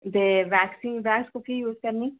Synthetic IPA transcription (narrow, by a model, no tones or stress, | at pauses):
d̪eʋæːksĩːnʋɛːkskokijuːzkɐɾniː